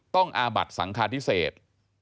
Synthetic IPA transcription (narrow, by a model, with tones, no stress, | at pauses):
t̪ɔ˥˩ŋʔaː˧ba̰˨˩t̪̚sa̰˩˦ŋkʰaː˧nt̪ʰi˦˥seː˨˩t̪̚